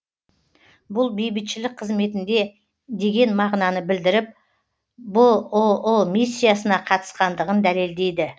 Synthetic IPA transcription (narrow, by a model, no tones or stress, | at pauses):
bʊlˠbe̞jbɪt̪ʃɪlɪk̚qʰəzme̞t̪ɪnd̪e̞ | d̪e̞ɡʲe̞nmɑʁnɑnəbɪld̪ɪɾɪp̚ | bʊlˠʊlˠʊlˠmisʲːijasənɑqʰɑt̪ə̥sqɑnd̪əʁənd̪æle̞ld̪e̞jd̪ɪ